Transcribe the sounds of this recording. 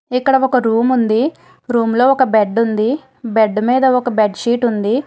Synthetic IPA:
ikːɐɽɐɔkɐɾuːmund̪i | ɾuːmlo̞ːɔkɐbeɖund̪i | beɖmiːd̪ɐɔkɐbeɖʃiːʈund̪i

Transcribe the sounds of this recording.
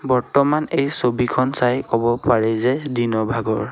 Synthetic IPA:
bɔɹtɔmanejsobikʰɔnsajkɔbɔpaɹɛzɛdinɔbʱaɡɔɹ

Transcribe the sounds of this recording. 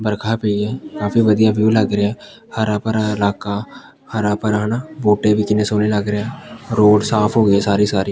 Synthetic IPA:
bəɾkʰaːpiːɛːkaːfiːʋəd̪ijaːʋjuːləɡɾɪɛː | həɾaːpəɾaɪlaːkaː | həɾaːpəɾaɦnaːboːʈeːbiːkɪnẽːsoːneləɡɾeɛːɾoːɖsaːpʰɦoːɡəɛːsaːɾiːsaːɾiː

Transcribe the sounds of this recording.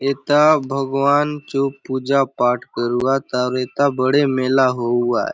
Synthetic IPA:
eːt̪abʱəɡʋaːnt͡ʃopuːd͡ʒapaːʈʰkəɾuat̪aɾeːt̪abəɽemeːlaɦoua̰

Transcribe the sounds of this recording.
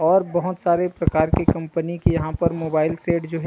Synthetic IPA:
ɔːɾbɐɦʊt̪saːɾepɾɐkaːɾkekɐ̃mpənikijɐɦãpɐɾmoːbaːɪlseːʈd͡ʒoːɦɛ

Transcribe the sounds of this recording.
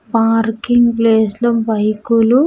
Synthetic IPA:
paːɾkiŋɡpleːslɐbɐjkulu

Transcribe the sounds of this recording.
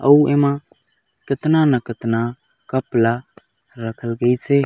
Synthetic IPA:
ə̰uemã | kɪt̪nanəkɪt̪na | kəpla | ɾəkʰəlɡəjt͡ʃʰe

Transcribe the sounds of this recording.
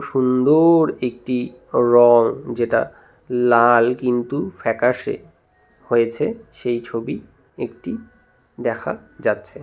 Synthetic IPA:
ʃund̪oɾek̚ʈi | ɾɔŋd͡ʑeʈa̰ | lalkint̪ufʰɛkaʃḛ | hojet͡ɕʰeʃejt͡ɕʰobi | ekʈi | d̪ɛkʰa̰d͡ʑatːɕʰe

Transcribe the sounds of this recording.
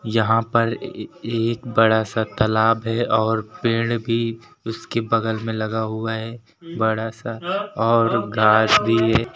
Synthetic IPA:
jɐɦãpɐɾeːkbɐɽasat̪ɐlaːbɦɛʔɔːɾpɪ̃ːɽbʱi | ʊskebɐɡəlmẽlɐɡaɦʊaɦɛ | bɐɽasaɔːɾɡʱaːʃbʱiɦɛː

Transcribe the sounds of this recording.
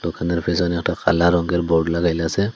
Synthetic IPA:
lɔkʰanɛɾpʰɛsɔnɛk̚taka̰laɾɔŋɡɛɾbɔɖlaɡajlasɛ

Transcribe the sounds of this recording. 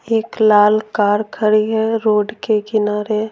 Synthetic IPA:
eːklaːlkaːɾkʰəɾiɦɛɾoːɖkekɪnaːɾe

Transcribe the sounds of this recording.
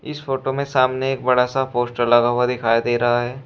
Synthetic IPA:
ɪ̰sfoːʈomẽsaːmneeːk̚bɐɽasapoːsʈəɾlɐɡaːwad̪ɪkʰaːjd̪eːɾɐɦaɦɛː

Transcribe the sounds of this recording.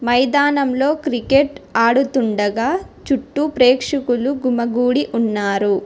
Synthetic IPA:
mɐjd̪aːnɐmlo̞ːkɾikeʈaːɽut̪uɳɖɐɡaːt͡ʃuʈːupɾeːkʂɐkuluɡumɐɡuːɽiʔunːaːɾu

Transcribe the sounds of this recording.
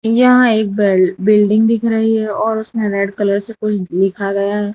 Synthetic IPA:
jɐɦãeːk̚bbɪlɖɪ̃ŋɡd̪ɪkʰɾɐɦiɦɛɔːɾʊsmẽɾɛːɖkɐləɾsekʊt͡ʃʰlɪkʰaɡɐjaɦɛː

